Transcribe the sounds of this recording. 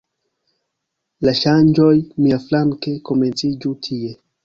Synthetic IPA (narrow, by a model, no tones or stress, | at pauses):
laʃand͡ʒojmiaflaŋkekoment͡sid͡ʒutʰie